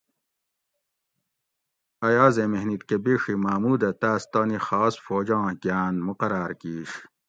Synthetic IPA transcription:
ɐjaːzemeɦnit̪kebeːʂimaːmuːd̪ɐt̪aːst̪aːnixaːsfoːd͡ʑɑ̃ːɡjaːnmuqɐɾaːɾkiːɕ

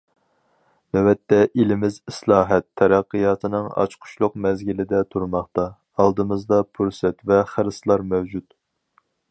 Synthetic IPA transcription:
nɛwɛt̪ːɛʔelɪmɪzɪslˠɑːɦɛt̪ʰːɛɾæqːəjɑːt̪ɨnɨŋɑ̰t͡ʃqʰʊ̥ʃlˠʊq̚mɛzɡʲilɪd̪ɛt̪ʰuɾmɑχt̪ɑ | ɑlˠd̪ɨmɨzd̪ɑpʰuɾsɛt̪vɛχəɾɨslˠɑɾmɛwd͡ʒut̪

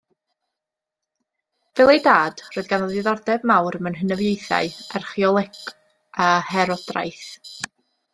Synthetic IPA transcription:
vɛlˠejdaːd̥roːɨðɡanɔðɪðɔrdɛbmawɾəmənɦənəvjejθa̰ɨarχiɔlˠɪk | ahɛɾɔd̥ra̰jθ

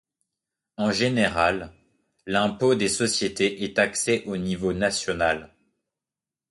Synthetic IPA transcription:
ɑ̃ʒeneʁalː | ɛ̃pod̪esɔsjet̪eʔɛt̪aksɛʔonivonasjɔnal

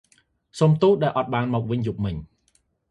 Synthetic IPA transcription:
soːmt̪uːɗaɛlʔɑt̪̚ɓaːnmɔːk̚ʋɨɲjup̚mɨɲ

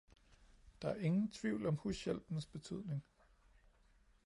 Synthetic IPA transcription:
d̥ɑ̈æɐe̝ŋn̩t͡sʰʋiʊlɒ̽mhusjel̰b̥n̩sb̥e̝t͡sʰyð̞̰ˠne̝ŋ

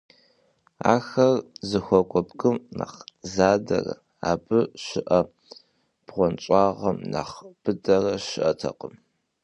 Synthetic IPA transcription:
aːxɐrzɨxʷɔkʷʼɔbkʼɨmna̰χzaːdɐrɐ | aːbɨʃɪʔɐ | b̥ʁʷɔnt͡ʃʼɑːʁɐmna̰χb̥ɨdɐrɐɕɪʔɐtʰɐqəm

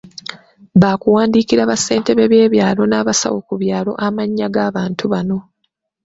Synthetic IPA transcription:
βaːkuwaːndikiɾaβase̞ːnte̞βe̞βje̞ːβjaːlo̞naːβasa̰wo̞kuβjaːlo̞ʔamaɲːaɡaβaːntʰuβano̞

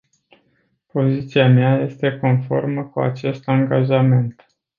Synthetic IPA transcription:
po̞zit̪siameaje̞st̪e̞ko̞nfo̞̰rməkua̰t͡ʃe̞st̪aŋɡaʒame̞nt̪

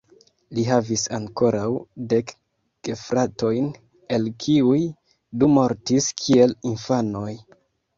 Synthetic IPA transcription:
liɦavisaŋko̞ɾawde̞k | ɡ̥efɾato̞jn | e̞lkʰiuj | dumo̞ɾtiskʰie̞linfanoj

